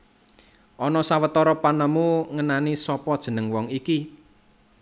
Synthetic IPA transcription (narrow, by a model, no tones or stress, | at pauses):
ʔɔnɔsawət̪ɔɾɔpanəmuŋənanisɔpɔd̥ʒ̥ə̤nəŋwɔŋiki